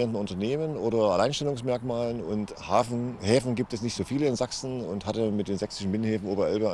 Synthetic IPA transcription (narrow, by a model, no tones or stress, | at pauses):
ʁəntn̩ʊntɐneːmənʔoːɾɐɛɐlaɪnʃtɛlʊŋsmɛɐkmaːlənʊnt | haːfhɛːfn̩ɡiːp̚tɛsnɪçtz̥oːfiːləɪnzaksn̩ʊnthatəmɪt̚d̥eːnzɛksɪ̥ʃn̩bɪnənhɛːfn̩ʔoːbɐʔɛ̰lbə